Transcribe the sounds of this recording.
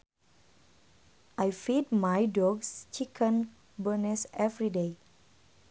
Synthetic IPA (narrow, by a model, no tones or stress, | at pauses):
ʔajfid̚majdɔɡst͡ʃikʰə̃n | bənɛsɛvɹide